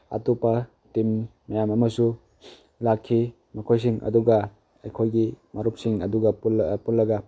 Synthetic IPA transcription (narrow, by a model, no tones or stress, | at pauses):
a̰tupɐ | timː | ɐjamɐmɐsu | lakʰːi | mɐkʰojs̬iŋʔɐ̰duɡɐ | ejkʰojɡimɐɾup̚siŋɐduɡɐplpulːɐɡɐ